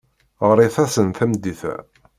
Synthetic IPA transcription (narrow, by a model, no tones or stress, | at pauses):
ʁɾˤiθæsənθæmd̪iθæ̰